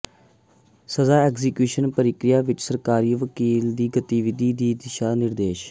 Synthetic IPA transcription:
səzaːɛːkzɪkjuːʃənpəɾɪkɾɪjaːʋɪt͡ʃsəɾkaːɾiːʋəkiːld̪iːɡət̪iːʋɪd̪iːd̪iːd̪ɪʃaːnɪɾd̪eːʃ

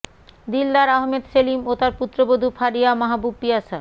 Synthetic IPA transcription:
d̪ilːaɾaɦmed̪selimot̪aɾput̪ːɾobod̪ʱufʰaɾijamaɦabub̚pijasa

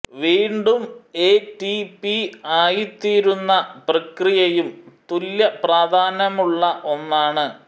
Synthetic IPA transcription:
ʋiːɳɖume̞ːtipiaːjit̪iːɾunːɐprɐkrijɐjumt̪uljɐpraːd̪ʱaːnɐmuɭːɐʔo̞nːaːɳɨ

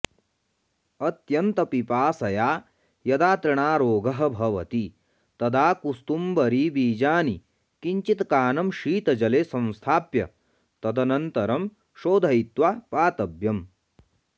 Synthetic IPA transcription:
ɐt̪jɐnt̪ɐpipaːsɐjaː | jɐd̪aːt̪ɾɐɳaːɾoːɡʱɐɦɐ̆bʱɐʋɐt̪i | t̪ɐd̪aːkust̪umbɐɾiːbiːd͡ʒaːni | kiɲt͡ʃit̪kaːnɐmʃiːt̪ɐd͡ʒɐleːsɐ̃ñst̪ʰaːpjɐ̰ | t̪ɐd̪ɐnɐnt̪ɐɾɐm | ʃoːd̪ʱɐit̪ʋapaːt̪ɐbjɐm

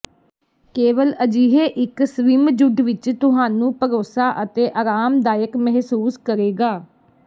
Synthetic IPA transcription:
keːʋələd͡ʒiːɦeːʔɪksʋɪmd͡ʒʊɖʋɪt͡ʃt̪ʊɦaːnũːpəɾoːsaːʔət̪eːʔaːɾaːmd̪aːjəkmɛɦsuːskəɾeːɡaː

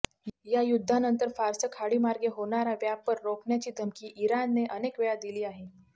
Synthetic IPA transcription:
jajud̪ʱːanənt̪əɾfaɾsəkʰaɽiːmaɾɡeɦoɳ̃aɾaʋjaːəɾɾokɳjat͡ɕiːd̪ʱəmkiːʔiɾanːeʔənekʋeɭad̪iliːaɦe

